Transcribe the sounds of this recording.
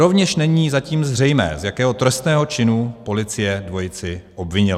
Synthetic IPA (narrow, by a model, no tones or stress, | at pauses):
ɾo̞vɲɛʃnɛɲiːzaciːmzr̝ɛjmɛ̰ːzjakɛːɦot̪ɾɛst̪nɛːɦo̞t͡ʃɪnupo̞lɪt͡sɪjɛdvo̞jɪt͡sɪʔobvɪɲɪl